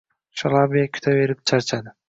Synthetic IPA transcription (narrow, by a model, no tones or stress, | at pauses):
ʃalˠabiakʲʰy̥t̪ʰaβe̞ɾip̚t͡ʃʰaɾt͡ʃʰad̪ɪ